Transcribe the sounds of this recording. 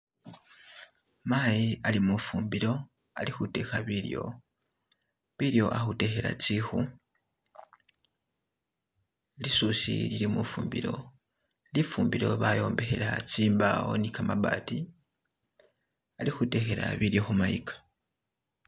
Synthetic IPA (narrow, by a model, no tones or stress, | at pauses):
maːjialimufuːmbiɾo̞ | alixute̞xaβiɾjo̞̰ | βiɾjo̞ʔaxute̞xe̞ɾa̰t͡sixu | lisusḭliɾimufuːmbḭɾo̞̰ | lifuːmbiɾo̞βajo̞ːmbehe̞ɾat͡siːmbao̞̰nikamaβa̰ːti | alixute̞xe̞ɾa̰βiɾjo̞xumajikḁ